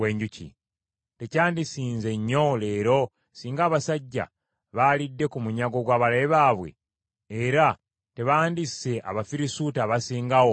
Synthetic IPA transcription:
weːɲɟucḭ | te̞caːndisiːnze̞ɲːo̞le̞ːɾo̞ | siːŋɡaːβasaɟːa̰ | βalidːe̞kumuɲaɡo̞ɡwaːβaleβaːβwe̞̰ː | ɾa | te̞βaːndise̞ʔa̰βafiɾisutaβasiːŋɡawo

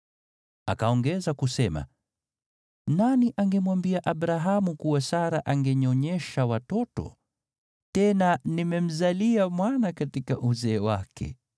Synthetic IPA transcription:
a̰kaɔŋɡɛzakusɛma̰ | naniʔaŋɡɛmwambiaʔabɾaɦamukuwasaɾaʔaŋɡɛɲɔɲɛʃawatɔtɔ̰ | tɛnanimɛm̩zaliamwanakatikaʔuzɛːwakʰɛ̰

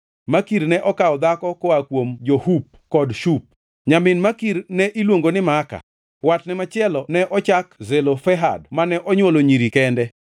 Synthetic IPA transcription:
makiɾnɛʔɔkaɔd̪akɔkɔakwomd͡ʒohup̚kɔdʃup̚ | ɲamɪnmakiɾnɛʔilwoŋɡonɪmaka̰ | watnɪmat͡ʃɪɛlɔnɛʔɔt͡ʃakzelofɛɦa̰dmanɛʔɔɲwoloɲiɾikɛndɛ

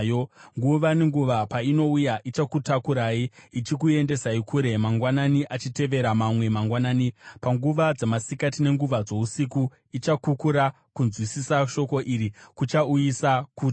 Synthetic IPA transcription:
joŋɡuʋaneŋɡuʋapaino̞ujaʔit͡ʃakutakuɾaːiit͡ʃik̬ue̞nde̞saikʰuːɾe̞maŋɡwananiʔat͡ʃite̞ʋe̞ɾamamwe̞maŋɡwanaːnipaŋɡuʋad͡zemasikatine̞ŋɡuʋad͡zo̞usiku | it͡ʃakukuɾa | kunzwisisaʃo̞ko̞ʔiɾikut͡ʃaujisakuːt

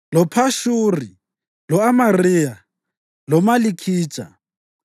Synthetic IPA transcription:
lɔpʰaʃuri | lɔamariːja | lɔmalikʰiːt͡ʃʼa̰

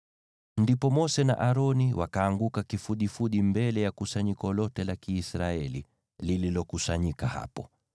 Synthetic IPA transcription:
ndipɔmɔsɛna̰ʔaɾɔniwʔakaːŋɡukakifuɗifuɗimbɛlɛjakusaɲikɔlɔtɛlakiːsɾaɛlḭ | lililɔkusaɲikaha̰pɔ

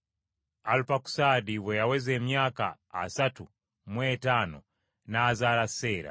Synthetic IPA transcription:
alupaku̥sadiwɛjawɛzɛmjaka̰ː | satu | mwɛtanɔ̰ | naːzalasɛːɾa̰

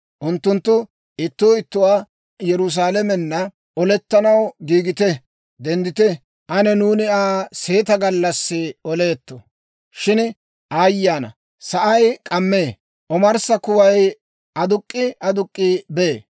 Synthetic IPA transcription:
ʔʊnt̪ːʊnt̪ːʊ | ɪt̪ːʊːɪt̪ːʊwaː | jɛɾʊs̬aːlɛmɛnːɐ | ʔɔlɛt̪ːɐnɐwɡiːɡɪt̪ɛ | d̪ɛnd̪ɪt̪ɛ | ʔɐnɛnuːnɪaːse̞ːt̪ɐɡɐlːɐsːɪɔle̞ːt̪ːɔ | ʃɪn | ʔaːjːaːnɐ̰ | sɐʔɐjkʼɐmːe̞ː | ʔɔmɐɾsɐkʊwɐj | ɐd̪ʊkʼːɪɐd̪ʊkʼːibeː

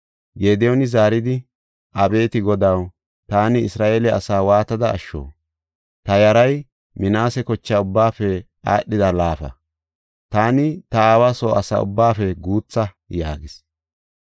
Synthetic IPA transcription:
ɡeːd̪ɛjɔnɪzaːɾɪd̪ɪ | ʔɐbe̞ːt̪ɪɡɔd̪ɐw | t̪aːnɪɪsɾaːʔeːlɛɐ̰saːwaːt̪ɐd̪ɐ̰ːʃːo̰ː | t̪ɐjɐɾɐj | mɪnaːsɛkɔt͡ʃːaʊbːaːfɛ | ʔa̰ːɗːɪd̪ɐlaːfɐ̰ | t̪aːnɪt̪ɐaːwasoːɐsa̰ːʊ̰bːaːfɛɡuːt͡sːɐ | jaːɡɪs

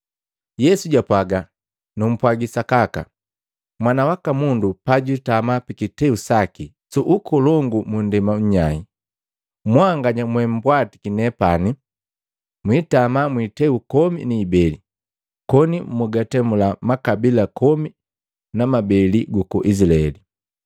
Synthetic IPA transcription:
jɛsuɟapwaɡa | num̩pwaɡisakaka̰ | mwanawakamundupaɟitamapikitɛusaki | suʔukɔlɔŋɡumundɛmam̩ɲai | mwaŋɡaɲamwɛm̩bwati̥kinɛpani | mwitamamwitɛukɔmḭniːbɛli | kɔnimuɡatɛmulamakabilakɔmi | namabɛliɡukɔʔisilaɛ̰li

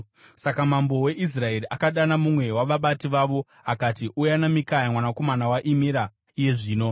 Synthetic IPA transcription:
sakamambo̞we̞ʔis̬rae̞ɾiʔakaɗanamumwe̞waʋaɓatiʋaʋo̞ | akatiʔujanamikajamwanako̞manawaʔimiɾa | ije̞ʐiːno̞

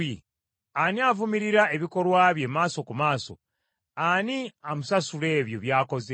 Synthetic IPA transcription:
i | aniavumiɾiɾae̞βiko̞lwaːβje̞maːso̞kumaːso̞̰ | aniamusasule̞ːβjo̞βjaːko̞ze

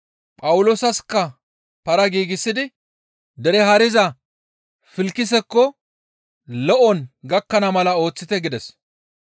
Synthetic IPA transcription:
pʼɐwʊloːsɐskːɐ | pɐɾɐɡiːɡɪsːɪd̪ɪ | d̪ɛɾɛɦɐɾɪzɐ | fɪlkːɪs̬ɛkːɔ | lɔʔɔnɡɐkːɐnɐmɐlɐo̞ːt͡sːɪt̪ɛɡɪd̪ɛs

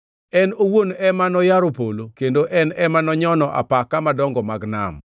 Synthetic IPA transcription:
ɛnowonɛmanɔjaɾopolokendoʔɛnɛmanɔɲɔnɔʔa̰pakːamadɔŋɡɔmaɡna̰m

